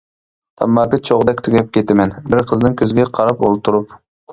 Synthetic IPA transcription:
t̪ʰɑ̰mːɑːkɪt͡ʃʰoʁd̪ɛkʲt̪ʰyɡʲɛp̚kʲet̪ɪmɛnbɪɾqʰəznɨŋkʲʰøzɡʲɛqʰɑɾɑpolˠt̪ʰuɾup

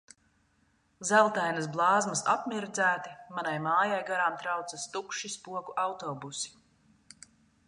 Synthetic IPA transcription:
zælˠt̪ajnɐs̬blˠɑːzmɐsapmʲiɾd̪zæːt̪imanajmaːjajɡaɾaːmt̪ɾawt̪sɐst̪ukʃispuɔkuʔawt̪ɔbusi̥

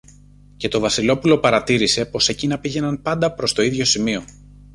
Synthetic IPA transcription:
ce̞t̪o̞vɐsilo̞pulo̞pɐɾɐt̪iɾise̞po̞se̞cinɐpiʝe̞nɐnpɐnd̪ɐpɾo̞st̪o̞iðʝo̞simio̞

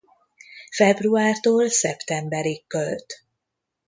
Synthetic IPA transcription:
fɛbruaːrt̪oːlsɛpt̪ɛmbɛɾikːølt̪

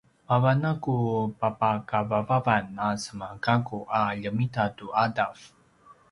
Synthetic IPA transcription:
vavanakupapakavavavanasəmakakuʔaʎəmitatuʔadaf

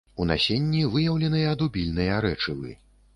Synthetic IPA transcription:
una̰sʲenʲːivɨjɐwlʲɛnɨjɐɐd̪ubʲilʲnɨjɐɾɛt͡ʂɨvɨ̰

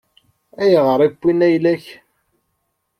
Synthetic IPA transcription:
æjəʁəɾˤibʷːinæjlæç

